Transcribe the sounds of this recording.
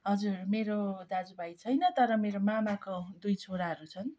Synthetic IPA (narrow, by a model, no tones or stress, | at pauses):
ɦʌd͡zurmeɾod̪ad͡zubajt͡sʰʌjnʌt̪ʌɾʌmeɾomamakod̪ujt͡sʰoɾaɦʌɾut͡sʰʌn